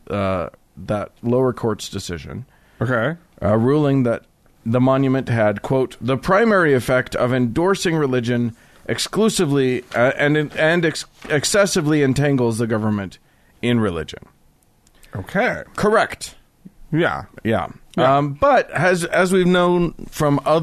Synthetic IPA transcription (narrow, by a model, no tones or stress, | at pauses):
ðət̚loʊə˞kʰɔɹtsd̥ɨsɪ̰ʒɨ̰̃n | okʰeɪɹulˠɪ̃ŋðɨt̪̚ | ðəmɑ̃njɨmɨ̃nʔɦɨd̚kʰw̥oʊt̪̚ðəpʰɹ̥ãɪ̃mɛɹiɨfɛk̚tʰʌ̰vɨ̃ndɔɹsɪ̃ŋɹɨlɪd͡ʒɨ̃n | ʔɨksklusɨvliɨ̃nɨ̃nɨɨksɛsɨvliɨ̃ntʰæ̃ŋɡl̩ˠzðɨɡʌvə˞mɨ̃nt | ɪ̃nɹɨlɪ̰d͡ʒɨ̰̃n | oʊkʰeɪkʰə˞ɛkt̚ | jæ̰jæ̰ | b̥ʌt̚ɨzɨzwivnõʊ̃nfɹʌ̃mʌ